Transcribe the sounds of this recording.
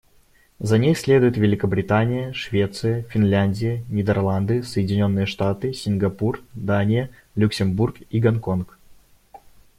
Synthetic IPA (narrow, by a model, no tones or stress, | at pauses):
zɐnʲexsʲlʲe̞d̪ʊjɪt̪vʲɪlʲɪkəbɾʲɪt̪anʲɪjəʂvʲe̞t̪sɨjəfʲɪnlʲænʲdʲɪjənʲɪd̪ʲərlˠand̪ɨsəjɪdʲɪnʲo̞nːɨjəʂt̪at̪ɨsʲɪnʲɡɐpurd̪anʲɪjə | lʲʊksʲɪmburkiɡɐnko̞nk